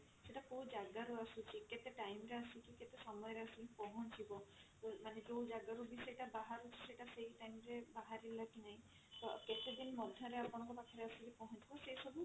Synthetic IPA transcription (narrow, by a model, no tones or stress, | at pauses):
seʈakowd͡ʒaɡaɾuasut͡ʃʰiket̪eʈajmɾeasikiket̪esɔmɔjɔɾeasukipɔɦɔntʰibɔt̪ɔmanekowd͡ʒaɡaɾubisejʈabaɦaɾut͡ʃʰi̥sejʈaseɦjʈajmɾebaɦaɾilakinaɦĩ | t̪ɔket̪ed̪inmɔd̪ʱjɔɾeapunaŋkɔpakʰɔɾeasikipɔɦɔnt̪ʰibɔsejsɔbu